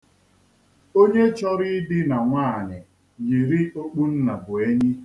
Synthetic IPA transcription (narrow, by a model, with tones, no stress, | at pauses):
o˦ɲe˦t͡ʃɔ˦ɾɪ˦dɪ˦na˨ŋʷaː˦˨ɲɪ˨ | ji˨ɾi˦o˦k͡pu˦n̩˦na˨bʊ˨e˦ɲi˦